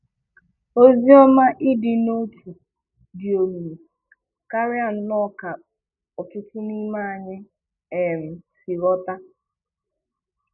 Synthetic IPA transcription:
o˦zi˦ɔ˦ma˦ʔɪ˦dɪ˨no˦tʰu˨ | dɪ˨o˨mu˨m˨ | ka˦ɾɪ˦a˨n̩˦nɔ˦ka˨ | ɔ˨tʊ˦tʊ˦ni˦ma˦a˨ɲɪ˦ | e˨m̩˨si˨ɾɔ˦ta˦

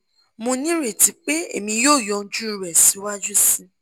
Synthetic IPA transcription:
mũ˧nĩ˦ɾe˦˨ti˨˦k͡pe˦ḛ˦˨mĩ˧joː˦˨jɔ̃˧˦d͡ʒu˦i˧ɾɛ˨si˨˦wa˦d͡ʒu˦sĩ˧

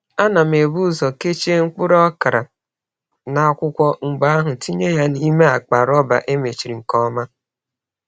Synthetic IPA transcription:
a˦na˨me˨bu˦zɔ˨ke˦t͡ʃe˦ŋ̩˦k͡pʊ˦ɾɔ˦ka˨ɾa˨ | na˦˨˦kʷʊ˦kʷɔ˦ŋ͡m̩˨ɡ͡ba˦a˦ɦʊ˨ti˦ɲe˦ja˦ni˦me˦a˨k͡pa˨ɾɔ˦ba̰˨ʔe˦me˨t͡ʃi˨ɾi˨ŋ̩˨kɔ˦ma˦

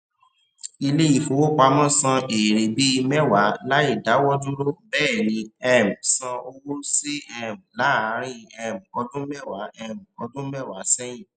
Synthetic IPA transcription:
i˧le˦i˦˨fo˧˨wo˦k͡pa˧mɔ̃˦sã˧e˨ɾe˨bi˦˧mɛ˦wa˨˦la˨˦i˦˨da˨˦wɔ˦dũ˦ɾo˦bɛː˦˨nĩ˧ɛ˦m̩˨sã˧o˧wo˦si˦ɛ˦m̩˨la˨˦a˨˦ɾĩ˦ɛ˧˨m̩˨ɔ˧dũ˦mɛ˦˨wa˨˦ɛ˦˨m̩˨ɔ˧dũ˦mɛ˦˨wa˨˦sɛ˦jĩ˦˨

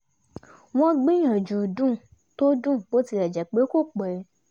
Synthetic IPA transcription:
w̃ɔ̃˦ɡ͡bĩ˦jã˨d͡ʒu˨dũ˦˨ | to˦dũ˦˨bo˨˦ti˧ɾɛ˨d͡ʒɛ˨k͡pe˨˦ko˦˨k͡pɛ˨˦

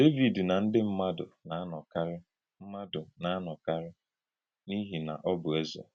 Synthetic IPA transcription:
d̥e˦vi˨dna˨n̩˦dɪ˦m̩˦ma˦dʊ̰˨na˨a˦nɔ˨ka˦ɾɪ˦ | m̩˦ma˦dʊ˨na˨a˦nɔ˨ka˦ɾɪ˦ | ni˦ɦi˨na̰˨ʔɔ˦bʊ˨e˦zḛ˨

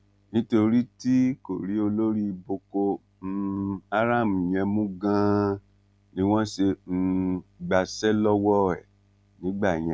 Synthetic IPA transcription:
nĩ˦to˧ɾi˦ti˦ko˨ɾi˨˦o˧lo˦ɾi˦˧bo˧ko˧ | a˦ɾa˦˨m˨i˨j̃ɛ̃˧mũ˦ɡã˦ | nĩ˦w̃ɔ̃˦ʃe˧ɡ͡ba˧sɛ˦lɔ˦wɔ˦ɛ̰˨ | nĩ˨˦ɡ͡ba˦˨j̃ɛ̃˨

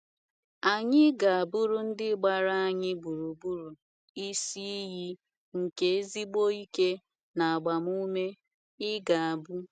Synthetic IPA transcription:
a˨ɲɪ˦ɡa˨a˨bu˦ɾu˦n̩˦dɪ˦ɡ͡ba˨ɾa˦a˨ɲɪ˦bu˨ɾu˨bu˦ɾu˨ | i˦si˦i˦ɦi˦ | ŋ̩˨ke˨e˦zi˦ɡ͡bo˦i˦ke˦ | na˨a˨ɡ͡ba˨mu˦me˦ | ɪ˦ɡa˨a˨bu˦

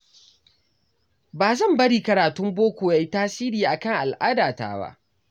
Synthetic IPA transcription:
baː˨zɐ˦˨mbɐ˦ɽiː˦kɐ˨ɾaː˨tʊ˦mboː˦kʷoː˨ja˦jtaː˦siː˦ɾiː˨ʔa˨kɐ˦˨ŋʔa˨lʔaː˦daː˨ta̰ː˨ba̰˦ʔ

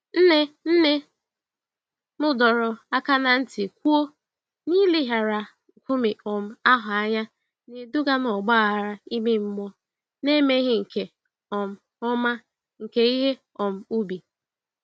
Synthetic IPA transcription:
n̩˦ne˦n̩˦ne˦ | mʊ˦dɔ˨ɾɔ˨a˦ka˦na˦n̩˦ti˨kʷu˦o˦ | ni˦li˦ɦa˨ɾa˨ | ŋ̩˨kʷu˦mi˨ɔ˨m̩˦a˦ɦʊ˨a˦ɲa˦ | ni˨du˦ɡa˦nɔ˨ɡ͡ba˦˨ɦa˨ɾa˨i˦me˦m̩˦mɔ˦ | ne˦me˦ɦɪ˦ŋ̩˨ke˨ | ɔ˨m̩˨ | ɔ˦ma˦ | ŋ̩˨ke˨i˦ɦe˦ | ɔ˨m̩˦u˦bi˨

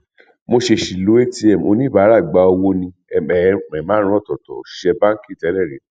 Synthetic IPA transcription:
mo˧ʃe˧ʃi˨lo˨˦e˦ti˦ɛ˨m˨o˧nĩ˦ba˨˦ɾa˦˨ɡ͡ba˧o˧wo˦nĩ˧˨ɛ˨˦˨ɛ˨mã˨˦ɾũ˦ɔ˦˨tɔ˨tɔ̰˨ʃɛ˧bã˦ki˦˨tɛ˨˦lɛ˦˨ɾe˨˦

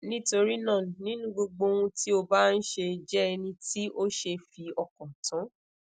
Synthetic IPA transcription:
nĩ˦to˧ɾi˦nã˦˨nĩ˦nũ˦ɡ͡bo˧ɡ͡bo˧wũ˧tʰi˦o˧ba˦n̩˦ʃe˧d͡ʒɛ˦ɛ˧nĩ˧ti˦ʔo˦ʃe˧fi˧ɔ˨kɔ̃˨tã˨˦

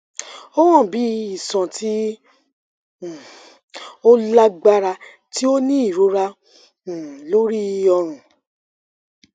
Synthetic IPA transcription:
o˦w̃ɔ̃˦˨bi˨˦i˨sɔ̃˨tʰi˨˦˨ | o˦la˦ɡ͡ba˦ɾa˧ | ti˦o˦nĩ˦i˦˨ɾu˨˧˦ɾã˧˨ | lo˦ɾi˦˧ɔ˧ɾ̃ũ˨

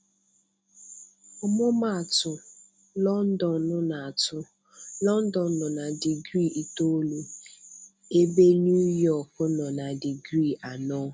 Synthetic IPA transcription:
ɔ˦mʊ˦ma˦a˨tʊ˨ | lɔ˦n̩˦dɔ˨˦nʊ˦na˨a˨tʊ˦ | lɔ˦n̩˦dɔ˨˦nʊ˨na˨di˨ɡɾi˦˨ʔi˨to˦lu˨ | e˦be˦nu˦jɔ˦˨kʊ˦nɔ˨na˨di˨ɡɾi˦˨ʔa˨nɔ˦

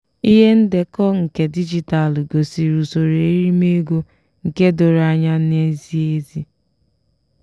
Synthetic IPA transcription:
i˦ɦe˦n̩˦de˨kɔ˦ŋ̩˨ke˨di˦d͡ʒi˨ta˨lɡo˨si˨ɾu˨so˨ɾe˨i˦ɾi˦me˦ɡo˦ | ŋ̩˨ke˦do˨ɾa˦ɲa˦ne˦zi˦e˦zi˦

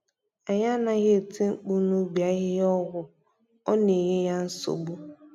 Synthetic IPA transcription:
a˨ɲa˦na˦ɣe˦˨ti˦ŋ͡m̩˦k͡pu˦nu˦bja˦ɣɪ˦jɔ˦ɣʷʊ˨ | ɔ˦ne˨ɣe˦ja˦n̩˦sʊ̰˨ɡ͡bo˦

